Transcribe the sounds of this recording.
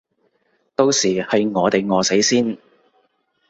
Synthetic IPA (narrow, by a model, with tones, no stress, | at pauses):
t̪o˧wsiː˨˩hɐ˨jŋɔː˨˧t̪e˨jŋɔː˨˧se˨˥jsiː˥n